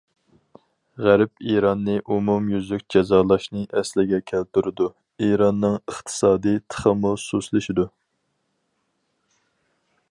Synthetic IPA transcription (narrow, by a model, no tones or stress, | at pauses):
ʁæɾpiɾɑnːɨʔumumjyzlykʲd͡ʒɛzɑːlˠɑʃnɨʔɛslɪɡʲɛkʲʰælt̪yɾɪd̪u | iɾɑnːɨŋəχt̪ʰɨ̥sɑːd̪ijt̪ʰə̥χəmususlɪʃid̪u